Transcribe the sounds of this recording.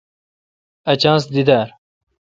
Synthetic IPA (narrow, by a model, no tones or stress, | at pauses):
ɐt͡ɕãːnsd̪id̪aɾ